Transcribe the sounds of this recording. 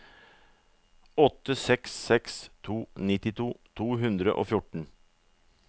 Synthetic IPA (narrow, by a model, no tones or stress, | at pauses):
ɔt̪ːəsɛksːɛkst̪ʰuːnɪt̪ɪt̪ʰuːt̪ʰuːɦʉnd̪ɾəʔo̰ːfjʊʈɳ̩